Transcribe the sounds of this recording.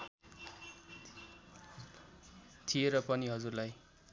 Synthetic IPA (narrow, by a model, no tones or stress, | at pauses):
t̪ʰijeɾʌpʌniɦʌd͡zurlaj